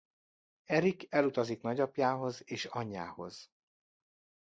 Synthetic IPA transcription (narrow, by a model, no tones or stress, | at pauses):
ɛɾikɛlut̪ɒziknɒɟɒpjaːɦo̞zeːʃɒɲːa̰ːho̞z̥